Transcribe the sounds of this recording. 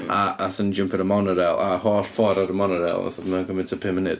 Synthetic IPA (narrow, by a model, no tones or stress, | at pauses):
aʔaθənd͡ʒəmpʰɪɾəmɔnəɾɛlˠahɔːrfɔɾaɾəmɔnəɾɛ̰lˠa̰θmənanɡəmɪntʰəpʰɪmɪnɪt